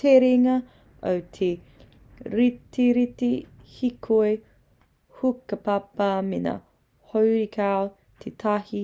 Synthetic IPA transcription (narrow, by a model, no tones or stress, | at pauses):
tʰeɾeŋɐ | o̰wt̪ʰe | ɾiteɾite | hikʰoe | hukɐpapɐmena̰ | howɾikʰao | t̪ʰetʰahi